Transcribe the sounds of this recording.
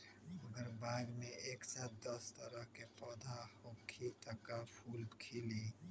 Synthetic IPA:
məɡəɾbaːɡmẽʔeːksaːt̪̚d̪əst̪əɾəɦkepɔːd̪ʱahokʰit̪əkapʰuːlbkʰili

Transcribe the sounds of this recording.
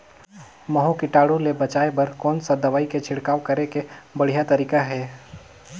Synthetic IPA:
mɐɦõkɪʈaːɽulebɐt͡ʃaːebɐɾkɔːnsad̪ɐʋaːiket͡ʃʰɪɽkaːʋkɐɾekebɐɽ̤ijat̪ɐɾiːkaɦɛː

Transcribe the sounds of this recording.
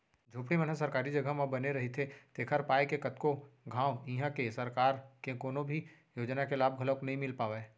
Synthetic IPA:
d͡ʒʱoːpɽimənasɐɾkaːɾid͡ʒɐɡamãbɐneɾɐɦit̪ʰet̪eːkʰəɾpaːjkekɐt̪koɡʱãːoiːɦãkesɐɾkaːɾkekoːnõbʱi | joːd͡ʒnakelaːb̚ɡʱɐləknɐɦĩmɪlpaːʋe

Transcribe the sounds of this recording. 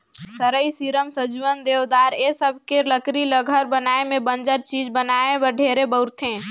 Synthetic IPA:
səɾəjsiɾəmsəd͡ʒuənd̪ewd̪aɾesəbʱkeləkɾiləɡʱəɾbənaemebənd͡ʒəɾt͡ʃid͡ʒbənaebəɖʱeɾebəɾt̪ʰẽ

